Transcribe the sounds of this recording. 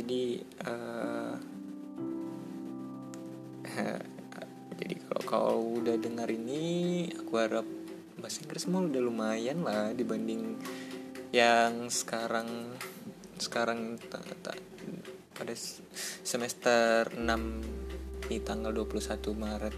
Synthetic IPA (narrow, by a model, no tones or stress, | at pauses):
d͡ʒadiə | d͡ʒadḭkalo̰ka̰udahdəŋaɾiniakuhaɾap̚ | masɪŋkəɾsəmaudahlumajanladibandɪŋ | jaŋsə̥kaɾaŋ | sə̥kaɾaŋint̪at̪a̰ | pada | səmɛst̪ərənam | dit̪aŋɡalduapulusat̪umaɾət̪̚